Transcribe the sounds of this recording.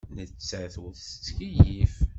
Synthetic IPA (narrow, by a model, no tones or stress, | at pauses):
nət͡sːəθðsət͡sːkijif